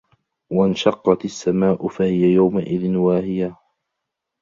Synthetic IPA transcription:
waɪnʃɑqːɑt̪asːamaːʔʊfahɪjajawmaʔɪðɪnwaːhɪja

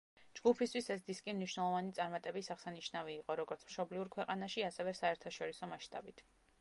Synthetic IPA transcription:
d͡ʒɡupʰist̪ʰwisɛs̬d̪iskʼimniʃwnɛlˠɔvanit̪sʼaɾmat̪ʼɛbisaʁsaniʃnaviːqʼɔɾɔɡɔɾt̪sʰmʃɔbliuɾkʰwɛqʼanaʃiasɛvɛsaɛɾt̪ʰaʃɔɾisɔmaʃt̪ʼa̰bit̪ʰ

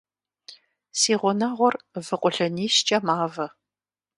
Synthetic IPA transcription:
siːʁʷɔnɐʁʷɔrvɨqʷʼʊɬɐniːʃt͡ʃʼɐmaːvɐ

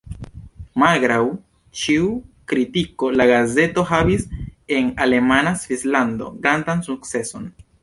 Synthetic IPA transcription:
malɡɾaw | t͡ʃiukɾitiko̞laɡaze̞to̞ɦavise̞nale̞manasvislando̞̰ɡɾandansuk̚t͡se̞so̞n

